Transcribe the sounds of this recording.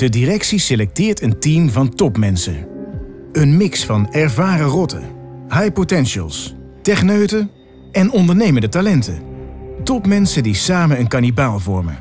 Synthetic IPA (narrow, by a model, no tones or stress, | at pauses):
d̥ədirɛksiselɛk̚tɪːɹtəntimvɑntɔpmɛnsə | ənmɪksfɑnɛɹvaːrərɔtə̰ɦajpotɛnʃə̰lˠs | tɛχnøɥtə | ɛnɔndəɹnejməndətalɛntətɔpmɛnsədisaːmənənkanibaːlˠvɔɹmə̰